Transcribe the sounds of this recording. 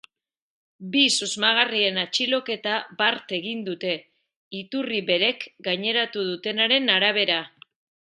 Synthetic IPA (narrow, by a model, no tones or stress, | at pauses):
bisuzmaɣ̞arie̞nat͡ʃilo̞ke̞t̪abaɾt̪e̞ɣ̞ind̪ut̪e̞ | it̪uriβe̞ɾe̞kɡaɲe̞ɾat̪uðut̪e̞naɾe̞naɾaβ̞e̞ɾa